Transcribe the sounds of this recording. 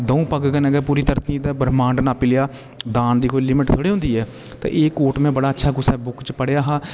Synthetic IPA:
d̪əũːpəɡɡənɛɡɛːpuːɾiːt̪əɾt̪iːd̪aːbəɾmãːɳɖnaːpɪljaː | d̪aːnd̪iːkʰoːilɪmɪʈt̪ʰoːɽiːɦʊ̃nd̪iːɛː | t̪ḛ̃ːʔeːkoːʈmɛ̃ːbəɽaːətːʃʰaːɡʊsɛːbʊkt͡ʃpəɽejaːɦaː

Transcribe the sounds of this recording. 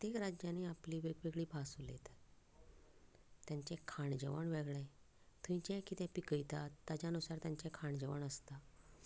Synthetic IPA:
ət̪ekɾad͡ʑjaneapliːʋeɡʋeɡɭiːbʱasulet̪ | t̪jãɲt͡ɕekʰaɳd͡ʑəʋəɳʋeɡɭɛ̃ | t̪ʰuĩt͡ɕɛ̃kit̪ɛ̃pikəjt̪at̪ːat͡ɕanusaɾt̪jaɲt͡ɕɛkʰaɳd͡ʑəʋəɳəst̪a

